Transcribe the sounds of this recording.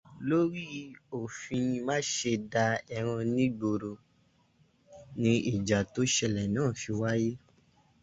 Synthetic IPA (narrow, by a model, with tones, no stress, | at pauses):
lo˦ɾi˦o˨fĩ˧nĩ˧mã˦ʃe˧da˧ɛ˧ɾ̃ã˧nĩ˦ɡ͡bo˧ɾo˧ | nĩ˧˦i˦˨d͡ʒa˨to˦ʃɛ˧˨lɛ˨nãː˦˨fi˧wa˦je˦